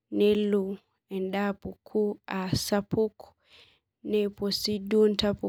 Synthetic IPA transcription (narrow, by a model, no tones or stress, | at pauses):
nɛlu | ɛndapɔkʰuasapuku̥ | nɛpɔsiduntapu